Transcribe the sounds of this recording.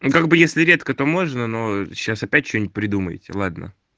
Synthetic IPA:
kaɡ̚bɨjesʲlʲɪɾʲe̞t̪kət̪o̞mo̞ʐnəno̞ɕːasɐpʲætʲt͡ɕonʲpɾʲɪd̪umə̰j̰tʲɪ̰lˠad̪nə̰

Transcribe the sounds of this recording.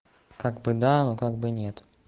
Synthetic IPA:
kaɡbɨd̪anokaɡ̚bɨnʲet̪

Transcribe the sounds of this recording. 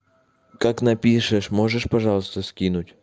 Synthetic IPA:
kaknɐpʲiʂɨʂmoʐəʂpɐʐɑlˠəst̪əskʲinutʲ

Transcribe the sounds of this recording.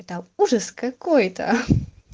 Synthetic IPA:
ɛt̪ɐuʐəskɐkojt̪ɐ̰

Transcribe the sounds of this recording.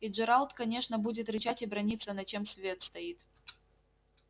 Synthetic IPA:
iʐɨɾalˠt̪kɐnʲe̞ʂnəbudʲɪt̪ɾʲɪt͡ɕatʲɪbɾɐnʲit̪sːənɐt͡ɕe̞msvʲe̞t̪st̪ɐit̪

